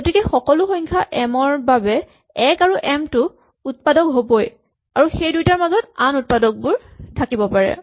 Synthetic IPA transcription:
ɡɡotikɛxɔkɔlʊxɔɲkʰaʔɛmɔɹbabɛ | ɛkaɹuʔɛmtʊ | ut̚padɔkɦoboj | aɹuxejdujtaɹmazɔtanut̚padɔk̚bʊɹtʰakibɔpaɹɛ̰

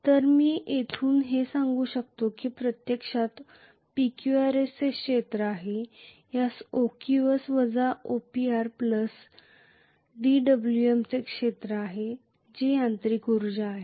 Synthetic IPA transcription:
t̪əɾmiːʔet̪ʰuːnɦesãŋɡuːɕək̚t̪okiːpɾət̪jəkʂat̪ | pikjuaɾest͡sekʂet̪ɾəaɦe | jasokiʋəsʋəd͡zaʔopiaɾpləs | ɖiɖəbljuemt͡sekʂet̪ɾəaɦe | d͡ʑejant̪ɾikuɾd͡ʑaːɦe

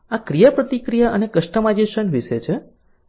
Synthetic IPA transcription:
akɾijapɾət̪ikɾijaʔənekəʃʈəmad͡ʒiʃəɳʋiʃet͡ʃʰe

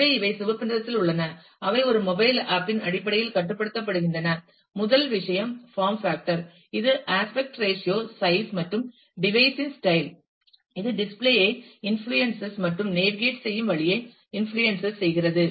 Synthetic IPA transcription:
eɪʋɐɪsʊʋɐpːɐndɾɐt̪ːɪlʊɭːɐnɐ | ɐʋɐlɔɾɯmɔbɐɪlaːpːɪnɐɽɪpːɐɽɐjɪlkɐʈːɯpːɐɽɯt̪ːɐp̬ːɐɽɯɣɪɳɖɐnɐ | mʊðɐlʋɪʂɐjɐmfaːɾmfaːk̚ʈɐɾ | ɪðɯʔaːspɛk̚ʈɾeːʂɪjoːsɐɪsmɐʈrɯm | ɖɪʋɐɪsɪnsʈɐɪl | ɪðɯɖɪspleːjɐɪɪnflujɛnsɐsmɐʈrɯmneːʈ̚ɡeːʈsɛjːɯmʋɐɭɪjɐɪ | ɪnfɭujɛnsɐssɛjɣɪrɐðɯ

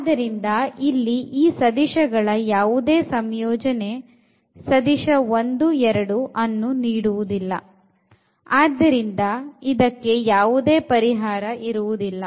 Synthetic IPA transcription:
aːd̪ɐɾind̪ɐilːiʔiːsɐd̪iʃɐɡɐɭɐjaːʋud̪e̞ːsɐmjɔːd͡ʒɐne̞ | sɐd̪iʃɐo̞nd̪uɛɾɐɽuʔɐnːuniːɽuʋud̪ilːɐ̰ | aːd̪ːɐɾind̪ɐid̪ɐkːe̞jaːʋud̪e̞ːpɐɾiɦaːɾɐʔiɾuʋud̪ilːɐ

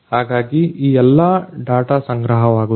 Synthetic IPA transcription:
haːɡaːɡiiːɛlːaɖaːʈasɐŋɡɾɐɦɐʋaːɡu

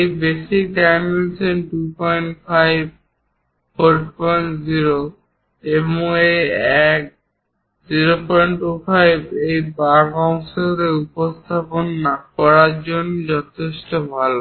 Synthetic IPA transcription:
ejbesik̚ɖajmensenʈupɔjɳʈfʰajb̚ | pojɳpɔjɳʈziɾo | emoeɛk̚ | ziɾopɔjɳʈʈufʰajbejbaɡɔŋsoɾeupost̪ʰaponːakɔɾaɾd͡ʑond͡ʑɔt̪ʰeʃʈobʱalo

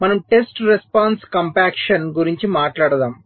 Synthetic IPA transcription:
mɐnɐmʈesʈɾespaːnskɐmpaːkʂɐnɡuɾiɲt͡ʃimaːʈlaːɽɐd̪aːm

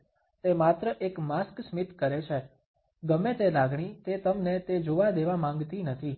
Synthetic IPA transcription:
t̪emat̪ɾəʔekmasksmit̪kəɾet͡ʃʰe | ɡəmet̪elaɡɳit̪et̪əmnet̪ed͡ʒoʋad̪eʋamãŋɡt̪inət̪ʰi

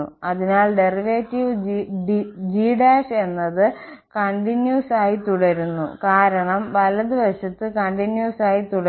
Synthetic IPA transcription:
uɐðinaːɭɖe̞riʋeːtːiʋ | d͡ʑiːɖaːʂe̞nːɐðɨ | kɐɳɖinjuːsaːjit̪uɽɐɾunːṵkaːɾɐɳɐmʋɐlɐðɨʋɐɕɐt̪ːɨkɐɳɖinjuːsaːjit̪uɽɐ

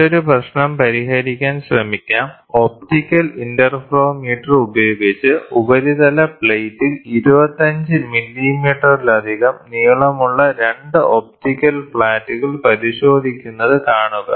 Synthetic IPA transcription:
o̞ɾuprɐɕnɐmpɐɾiɦɐɾikʲːaːnɕrɐmikʲːaːm | o̞p̚tikʲːɐlindɐrfroːmiːʈːɐrubɐjoːɡit͡ɕːɨubɐɾiðɐlɐpɭejtːiliɾubɐt̪ːɐɲd͡ʑɨmilːimiːʈːɐrilɐd̪ʱiɣɐmniːɭɐmuɭːɐɾe̞ɳɖɨʔop̚tikʲːɐlpɭaːtːuɣɐɭpɐɾiɕo̞ːd̪ʱikʲːunːɐðɨkaːɳuɣɐ̰

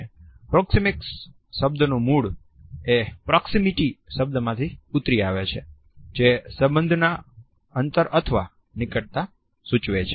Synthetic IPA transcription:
pɾɔksimɪks | ʃəbd̪ənũmuɭ | epɾɔksimiʈiʃəb̚d̪əmãt̪ʰiut̪ɾiaʋet͡ʃʰe | d͡ʒesəbənd̪ʱna | ənt̪əɾət̪ʰəʋa̰ | nɪkəɽt̪a | sut͡ʃʋet͡ʃʰe

